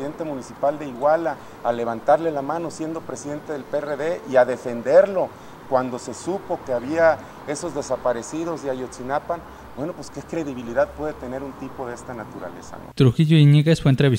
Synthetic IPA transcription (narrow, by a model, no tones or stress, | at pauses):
ðent̪e̞munisipald̪eiɣwalaː | le̞β̞ant̪aɾle̞lamãno̞sje̞nd̪o̞pɾesiðe̞nt̪eðe̞lpereðe̞ʔiaðe̞fe̞nd̪e̞ɾlo̞ | kwand̪o̞se̞supo̞keaβia | e̞so̞zðe̞sapaɾe̞siðo̞zajot͡ʃinapan | bwe̞no̞pweske̞kɾe̞ðiβiliðaðpwe̞ðet̪e̞ne̞ɾunt̪ipo̞ðeest̪anat̪uɾa̰le̞̰sa̰no̰t̪ɾuxiʝoiniɣesfwent̪ɾeβi